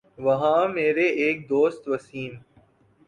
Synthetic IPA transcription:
ʋɐɦãːmeːɾeeːk̚d̪oːst̪ʋɐsiːn

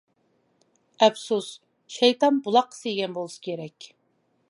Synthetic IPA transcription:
ɛpsus | ʃɛjt̪ɑnbulˠɑqːə̥seɡʲɛnbolˠɨsɨ̥kʲʰeɾɛkʲ

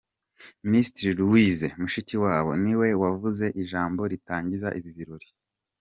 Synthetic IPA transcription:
mistɾiɾuwizemuʃiciwaːβo̞̰niwe̞wavuze̞ʔiʒaːmbo̞ɾitaːɲɟizaʔiβiβiɾoɾi

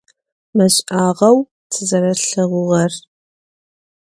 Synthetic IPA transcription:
mɐɕʼaːʁɐw | tʰɨzɐɾɐɬɨʁʷʊʁɐr

